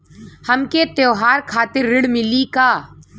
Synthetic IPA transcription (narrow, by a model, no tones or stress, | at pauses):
həmket̪joːɦaːɾkʰaːt̪ɪɾːɪɽmɪlikaː